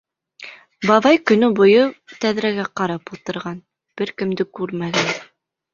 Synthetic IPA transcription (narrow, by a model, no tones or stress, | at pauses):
bɑβɑjkɵ̆nɵbŭjɤt̪æðɾæɡæqɑɾɑpulˠt̪ɤ̆ɾʁɑn | b̥ɘɾkɘ̆md̪ɘkʉɾmæɡæn